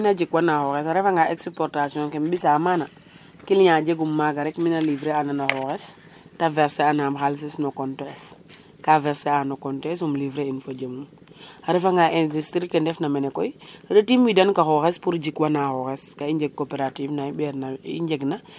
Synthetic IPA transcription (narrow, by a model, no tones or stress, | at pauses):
inad͡ʒikwanaxɔxesaɾefaŋɡaekspoɾtasiɔnkembisamana | kilɲad͡ʒeɡumːaɡaɾɛkminalivɾeananaxoxes | tavɛɾseanamxals̬isnokontɔɛs | kavɛɾseanokɔntɔes̬umlivɾeinfod͡ʒemum | aɾefaŋɡaʔɛ̃ndistɾikendɛfnamenekɔjɾetimwidankaxɔxespuɾd͡ʒikwanaxoxeskaiɲd͡ʒek̚ːopeɾativnaibeɾnaḭɲd͡ʒeɡna